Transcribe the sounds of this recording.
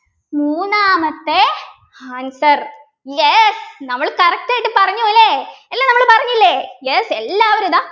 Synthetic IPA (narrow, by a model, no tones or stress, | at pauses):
muːnaːmɐt̪ːe | aːnsɐr | jesnɐmːɐɭkɐrɐk̚ʈaːjʈːɨpɐrɐɲːuilːeelːaːnɐmːɐɭpɐrɐɲːilːejeselːaːʋɐɾud̪aː